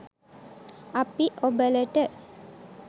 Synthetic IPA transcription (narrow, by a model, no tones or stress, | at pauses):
apiʔobələʈə